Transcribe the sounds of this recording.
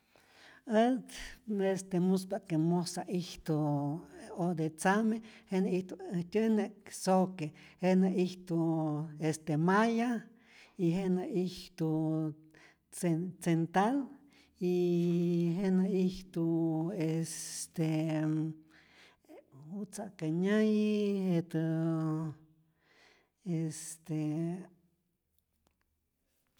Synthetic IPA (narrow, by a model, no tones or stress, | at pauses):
ət̪est̪emuspaʔkemosaʔiht̪o | od̪et͡samehenaiht̪uht̪ʲəneksokehenaiht̪uest̪emaja | iɦenaiht̪u | t͡set͡sent̪al | i | ɦenaiht̪uest̪e | hut͡sakaɲajiet̪ɨ | est̪e